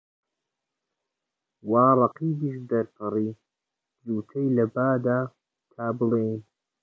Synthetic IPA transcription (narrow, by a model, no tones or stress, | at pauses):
waːrˤɑqiːbiːʃd̪ɐɾtʰɨriː | zuːt̪ʰɐjlɐbaːd̪aː | k̪ʰaːbɨlejn